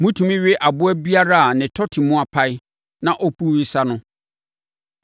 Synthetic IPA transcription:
mũ˦tʰũ˨mɪ̃˦ɥɪ˦ʔa˨bʊ˦æ˦bi˦a˦ɾa˦a˨nɪ̃˨tʰɔ˦tʰɪ˨mʊ̃˦a˨pʰa˦ɪ˦ | nã˨ʔɔ˦pu˦wɪ˦sa˦nʊ̃˦

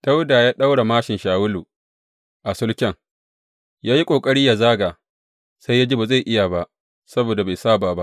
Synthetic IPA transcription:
d̥a˦wdaː˨jaː˦ɗa˦wɽa˨maː˦ʃɪ˨nʃaː˨wʊ˦luː˨ | ʔa˨sʊ˦lkʲɛ˦˨ŋ | jaː˦ji˦kʷʼoː˨kʼɐ˦ɽiː˦ja˨zaː˦ɡaː˨ | sa˦jaː˦d͡ʒi˦baː˨za˦˨jʔɪ˦ja˨ba˦ʔ | sɐ˦boː˨da˨ba˨jsaː˦baː˨ba˦ʔ

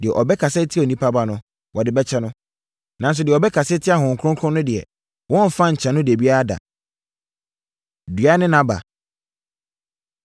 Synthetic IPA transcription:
dɪ˨ɛ˨ʔɔ˨bɛ˦kʰa˨sɛ˦tʰɪ˦˨ɔ˨nĩ˦pʰa˦ba˦nʊ̃˦ | wɔ˨dɪ˨bɛ˦t͡ɕʰɛ˦nʊ̃˦ | nã˨n̩˦s̬ʊ˨dɪ˨ɛ˨ɔ˨bɛ˦kʰa˨sɛ˦tʰɪ˦a˨hʊ̃˨ŋ̩˨kʰʊ˦ɾʊ̃˦ŋkʰʊ̃˦nːʊ̃˦dɪ˨ɛ̰˨ | wɔ̃˦m˨fã˦ɲ̩˨t͡ɕʰɛ̃˨nʊ̃˦dɪ˨æ˨bi˦a˦a˦da̰˨ | dɥa˦nɪ̃˦nã˨ba̰˨

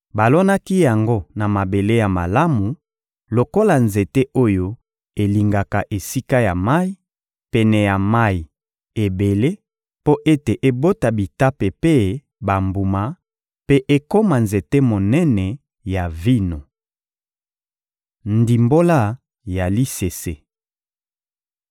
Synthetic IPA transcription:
ba˨lɔ˦na˦ki˦ja˨ŋɡo˦na˨ma˨be˨le˦ja˨ma˨la˦mu˨ | lo˨ko˦la˨nze˨te˦ʔo˦jo˦ | e˨li˨ŋɡa˨ka˨ʔe˨si˦ka˦ja˨ma˦i˦ | pɛ˨nɛ˨ja˨ma˦˨i˨ | e˨be˨le˦ | po˦ʔe˦te˨ʔe˦bo˦ta˨bi˨ta˦pe˨pe˦ | ba˨mbu˨ma˨ | pe˦ʔe˦ko˦ma˨nze˨te˦mo˨nɛ˦nɛ˨ | ja˨vi˦no˨ | ndi˨mbo˦la˦ | ja˨li˦se˨se˦

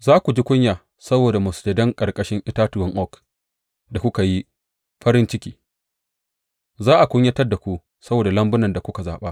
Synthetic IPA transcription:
zaː˦kʷu˨d͡ʒi˦kʷʊ˦ɲjaː˨ | sɐ˦boː˨da˨mʊ˨ste˨dɐ˦ŋkʼɐ˨kʼɐ˦ʃɪ˦ŋʔɪ˦taː˦twɔ˦ŋʔɔ˦k | da˨kʷʊ˦ka˨ji˦ | ɸɐ˦ɾɪ˦nt͡ʃɪ˦kʲiː˦ | zaː˦ʔa˨kʷʊ˦ɲjɐ˦tɐ˦rda˨kʷu˦ | sɐ˦boː˨da˨lɐ˦mbʊ˦nɐ˨nda˨kʷʊ˦ka˨za̰ː˨ɓaː˦

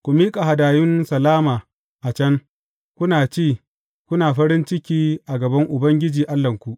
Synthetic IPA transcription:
kʷu˨miː˦kʼa˨ɦa˨daː˨jʊ˦nsɐ˨laː˦maː˨ | ʔa˨t͡ʃɐ˦ŋ | kʷʊ˦naː˨t͡ʃeː˦˨ | kʷʊ˦naː˨ɸɐ˦ɾɪ˦nt͡ʃɪ˦kʲiː˦ʔa˨ɡɐ˨bɐ˦ŋʔʊ˨bɐ˦ŋɡʲɪ˦d͡ʒiː˨ʔa˦lːɐ˨ŋkʷu˨ʔ

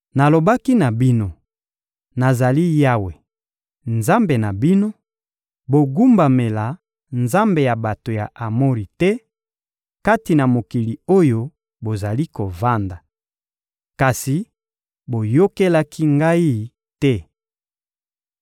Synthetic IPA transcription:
na˨lo˨ba˦ki˦na˨bi˦no˦ | na˨za˨li˦ja˦we˨ | nza˦mbe˨na˨bi˦no˦ | bo˨ɡu˦mba˨me˨la˨ | nza˦mbe˨ja˨ba˨to˨ja˨ʔa˨mo˦ʁi˨tɛ˦ | ka˦ti˨na˨mo˨ki˨li˨o˦jo˦ | bo˨za˨li˦ko˨va˦nda˨ | ka˨si˨ | bo˨jo˦ke˦la˦kʰi˦ŋɡa˦i˦ | tɛ˦

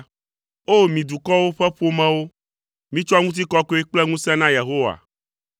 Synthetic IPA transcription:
o˦mĩ˨d̪u˨kɔ˦wo˦ɸɛ˦ɸo˦mɛ̃˦wo˦ | mĩ˦t͡ʃo˦a˦ŋũ˦t̪̬i˦kɔ˦ko˦e˦k͡plɛ˦ŋũ˦sɛ̃˦nã˦je˨ɦo˦wa̰˨

